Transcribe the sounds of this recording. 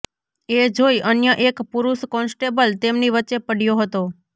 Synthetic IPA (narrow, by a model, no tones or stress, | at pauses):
ed͡ʒoiʔənjəʔekpuɾuʃkɔnsʈebəlt̪emniʋətːt͡ʃepəɽ̤ijoɦət̪o